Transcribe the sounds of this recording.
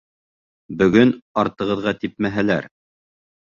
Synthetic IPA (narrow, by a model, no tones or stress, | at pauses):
bɵ̆ɡɵnɑɾt̪ɤ̆ʁɤ̆ðʁɑt̪ip̚mæɦælæɾ